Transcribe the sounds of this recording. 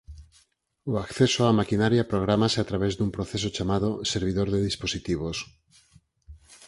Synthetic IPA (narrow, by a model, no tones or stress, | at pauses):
oakθesoamakinaɾjapɾoɣ̞ɾamaseat̪ɾaβezd̪umpɾoθesot͡ʃamað̞oseɾβ̞iðoɾðeðisposit̪iβ̞os